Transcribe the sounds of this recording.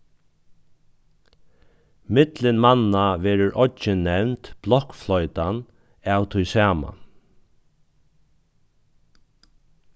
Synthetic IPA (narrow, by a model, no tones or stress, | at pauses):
mɪt̪lɪnmanːaʋɛːɾəɾʔɔt͡ʃɪnːɛʋnt̪b̥lɔhkflɔʏt̪an | æːwt̪ʰʊjsæːma̰